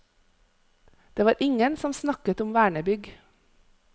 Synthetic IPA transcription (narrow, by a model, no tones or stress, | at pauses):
d̪̥eːʋɑːɾʔɪŋənsɔmsnɑkət̪ɔmʋæːɳəbʏɡ